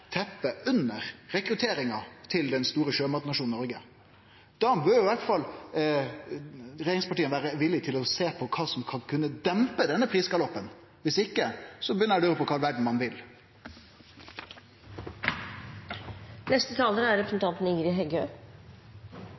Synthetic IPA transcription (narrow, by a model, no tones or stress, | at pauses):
t̪ʰɛpːəʉnəʁɾɛkɾʉt̪ʰeːɾɪŋɑt̪ʰɪld̪ɛnst̪uːɾəʃøːmɑt̪nɑʂuːnnɔɾɡə | d̪̥ɑːbøːjʊɪʋæʈfɑl | ɾɛjeːɾɪŋspɑʈiːənʋæːɾəʋɪlːɪt̪ʰɪlɔseːpʰɔkʰɑːsɔmkʰɑnkʰʉnːəd̪ɛmpəd̪ɛnːəpʰɾiːskɑlɔpːən | ʋɪsɪkːəsɔbəjʏnəɾɑd̪ʉɾəpʰɔkʰɑlʋæɖɳ̩mɑnʋɪl | nɛst̪ət̪ʰɑːləɾəæɾɛpʰɾəsn̩t̪ɑnt̪nəiːɾɪɦɛɡøː